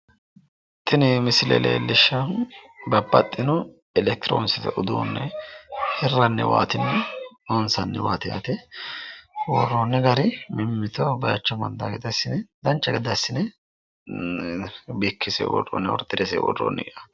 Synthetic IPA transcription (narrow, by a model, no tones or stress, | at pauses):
t̪ʰːɪnɪmɪsɪlɛ̰lḛːlɪʃːɐbɐbːɐ̰t̪ʼːɪnɔ | ɛlɛk̚t̪ɪɾo̰ːnsɪt̪ɛʔʊd̪ṵːnːɛhɛrːɐnːɛ̰wa̰ːt̪ɪnːɛ | ɔnsɐnːɛwaːt̪ɪja̰t̪ɛ | wɔrːoːnːɛɡɐɾɪmɪmːɪt̪ɔbɐjɐt͡ʃːɐmɐ̰nd̪a̰ɡɛd̪ɐsɪnɛd̪ɐnt͡ʃːɐɡɛd̪ɐsːɪnɛ | bikʰːɪsɛ̰wɔ̰ɾo̰nːɛwɔ̰ɾt̪ʼːɪɾesɛ̰wɔ̰ro̰ːnːɛɡʔa